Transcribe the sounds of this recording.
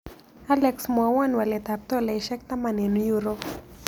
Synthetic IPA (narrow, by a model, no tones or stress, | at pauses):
alɛksmɔwanwalɛt̪ap̚t̪ɔlaiʃɛk̚t̪amanɛnujuɾɔp